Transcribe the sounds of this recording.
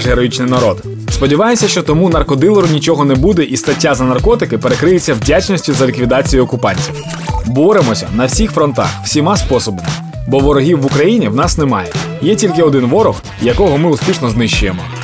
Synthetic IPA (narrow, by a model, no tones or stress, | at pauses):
ʒɦeɾɔjit͡ʃnɪjnɐɾɔd̪ | spɔdʲiʋɑjɪmsʲɐʃt͡ʃɔt̪ɔmunɐrkɔd̪ɪlˠɔɾʊnʲit͡ʃɔɦɔnɛbud̪ɛʔist̪ɐtʲːazɐnɐrkɔt̪ɪkɪpe̞ɾekɾɪjɪt͡sʲːɐwdʲat͡ʃnɔsʲtʲʊzɐlʲikʋʲid̪ɑt͡sʲijʊɔkʊpɑnʲtʲiw | bɔɾemɔsʲɐ̰nɐwsʲixfɾɔnt̪ɑ̰xw̥sʲimɑspɔsɔbɐmɪ | bɔʋɔɾɔɦʲiwːʊkɾɐjinʲiwnɑsnemɑjɛ | jɛtʲilʲkɪɔd̪ɪnʋɔɾɔɣ | jɐkɔɦɔmɪʊspʲiʃnɔznɪʃt͡ʃːʊjemɔ